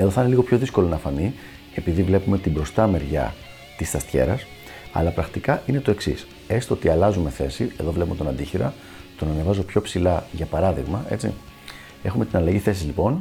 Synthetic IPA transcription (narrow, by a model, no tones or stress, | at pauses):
eðoθɐineliɣo̞pço̞ðisko̞lo̞nɐfɐni | e̞piðivle̞pume̞t̪ibɾo̞st̪ɐme̞ɾʝɐ̰ | t̪ist̪ɐst̪çe̞̰ɾɐs | ɐ̰lɐpɾɐɣmt̪ikɐʔine̞t̪o̞e̞ksḭs | e̞st̪oot̪iɐlɐzume̞θe̞sieðo̞vle̞pume̞t̪o̞nɐnd̪içiɾɐ̰ | t̪o̞nɐnevɐzo̞pço̞psilɐʝɐpɐɾɐðiɣmɐe̞t͡sḭ | e̞xume̞t̪inɐlɐʝiθe̞sizlipo̞n